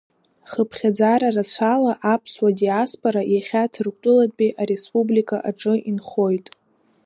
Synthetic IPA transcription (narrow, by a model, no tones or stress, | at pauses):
χəpʰχʲad͡zaɾarat͡ɕʷʰalaʔapʰswadijaspʼoɾajaχʲatʰrkʷʼtʷʼʊlatʼbʼiʔaɾe̞spʼublikʼaʔaʈ͡ʂʼɨʔinχo̞jtʼ